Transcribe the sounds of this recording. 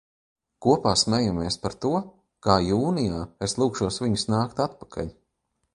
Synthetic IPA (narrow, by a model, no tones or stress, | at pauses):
kuɔpaːsmɛjameɛspaɾt̪uɔ | kaːjuːnijaːeslˠuːkʃuɔsviɲusnaːkt̪at̪pḁkʰa̰ʎʲ